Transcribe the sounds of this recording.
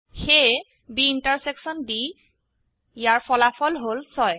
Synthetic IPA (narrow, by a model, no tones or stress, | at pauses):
xe | biːntaɹseksɔndi | jaɹpʰɔlapʰɔlɦolsɔj